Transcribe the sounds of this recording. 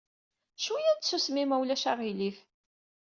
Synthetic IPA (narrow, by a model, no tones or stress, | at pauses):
ʃujæd̪susmimæwlæʃaʁilif